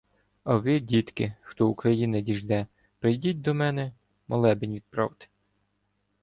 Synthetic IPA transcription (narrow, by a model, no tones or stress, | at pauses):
ɐʋɪdʲit̪kɪxt̪ɔukɾɐjinɐdʲiʒd̪ɛ | pɾɪjdʲit̚ʲd̪ɔmɛnɛ | mɔlˠɛbɪnʲʋʲid̪̚pɾɑ̰wt̪ɪ̥